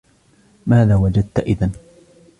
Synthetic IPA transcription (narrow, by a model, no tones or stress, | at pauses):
maːðaːwad͡ʒad̪̚t̪aʔɪðan